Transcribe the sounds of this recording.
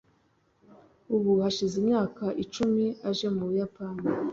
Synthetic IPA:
uβuhaʃizimɲaːkaʔit͡ʃumiaʒe̞muβujapani

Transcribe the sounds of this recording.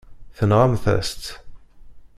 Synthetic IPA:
θənʁamθə̰st̪

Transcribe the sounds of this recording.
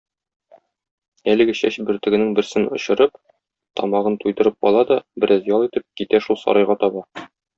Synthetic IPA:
ælɘ̆ɡɘɕæɕbɘ̆ɾt̪ɘ̆ɡɘ̆nɘŋbɘ̆ɾsɘnŏ̰ɕɤ̆ɾɤp | t̪ɒ̰mɑʁɤnt̪ujd̪ɤ̆ɾɤp̚ɒlˠɑd̪ɒbɘ̆ɾʔæzjɒlˠit̪ɘp̚kit̪æʃulˠsɒ̰ɾʔɑjʁɑt̪ɒbɑ

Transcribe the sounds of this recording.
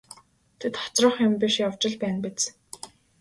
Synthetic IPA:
t̪ʰet̪χɔ̥t͡srɞ̆χjʊmpiʃjaw̥t͡ɕɪ̆ɮpæːnpet͡s

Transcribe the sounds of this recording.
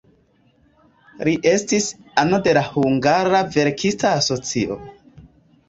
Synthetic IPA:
liʔe̞stisanode̞lahuŋɡaɾave̞ɾkʰistaːso̞t͡siʔo̞̰

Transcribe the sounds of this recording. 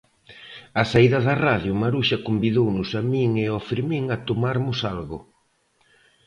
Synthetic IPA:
ɐsaiðɐðɐraðjʊmaɾuʃɐkombiðownʊsamiŋeɔfɾimiŋɐt̪omaɾmʊsalɣʊ̰

